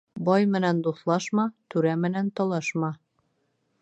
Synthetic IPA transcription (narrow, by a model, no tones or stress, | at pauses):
bɒjmɘ̆nænd̪uθlˠɑʃmɑt̪ʉɾæmɘ̆nænt̪ɒlˠɑʃmɑ